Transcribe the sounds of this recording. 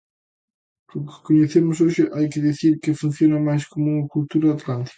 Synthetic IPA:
kʊkɪ̥koɲeθemʊs̬oʃɪʔajkɪðiθiɾkɪfun̟θjonɐmajskomʊuɐkult̪uɾɐat̪lant̪i̥kɐ̥

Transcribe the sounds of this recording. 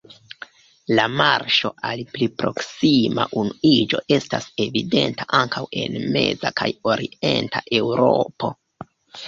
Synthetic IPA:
lamaɾʃo̞ʔalplipɾo̞ksimaʔunuid͡ʒo̞ʔe̞stase̞vide̞ntaʔaŋkawe̞nme̞̰zakʰajo̞ɾie̞ntaʔe̞wɾo̞po̞

